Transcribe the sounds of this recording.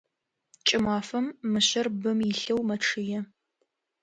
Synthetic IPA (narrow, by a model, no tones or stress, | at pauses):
t͡ʃʼɪmaːfɐmːɨɕɐrbɨmjɪɬɐwmɐʈ͡ʂʰɨjɛ